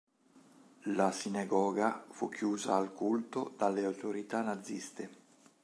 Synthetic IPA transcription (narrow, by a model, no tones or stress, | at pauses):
lasinaɡɔːɡafukːjuːzaːlkult̪od̪alːeawt̪oɾit̪anad̪zːist̪e